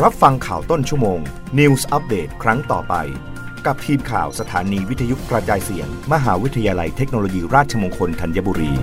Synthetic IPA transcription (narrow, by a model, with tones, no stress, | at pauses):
ɾa˦˥p̚fa˧ŋkʰaː˨˩wt̪o˥˩nt͡ɕʰu˥˩əmoː˧ŋ | ni˧wsʔa˦˥p̚deː˨˩t̪̚kʰɾa˦˥ŋt̪ɔː˨˩pa̰˧j | ka˨˩p̚t̪ʰiː˧mkʰa̰ː˨˩wsa˧t̪ʰaː˩˦niː˧wi˦˥t̪ʰa˧ju˦˥kɾa˧t͡ɕaː˧jsi˨˩˦əŋma˧ɦaː˩˦wi˦˥t̪ʰːa˧jaː˧la˧jt̪ʰe˦˥k̚noː˧loː˧jiː˧ɾaː˥˩t̪̚t͡ɕʰa˧moː˧ŋkʰo˧nt̪ʰa˧nja˦˥˩buː˧ɾiː˧